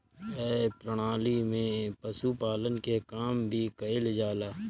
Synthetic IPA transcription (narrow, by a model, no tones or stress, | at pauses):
ɛːpɾəɽ̃aːlimẽpəsupaːlənkekaːmbʱikəɪld͡ʒaːlaː